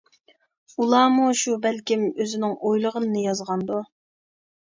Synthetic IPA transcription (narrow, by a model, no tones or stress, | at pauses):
ulˠɑːmuʃubælkʲimøzɪnɪŋojlˠəʁənɨnɨjɑzʁɑnd̪u